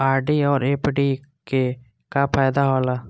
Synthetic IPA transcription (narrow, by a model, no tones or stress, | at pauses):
aːɾɖiːɔːɾeːpɖiːke | kaːpʰaːjd̪aːɦoːlaː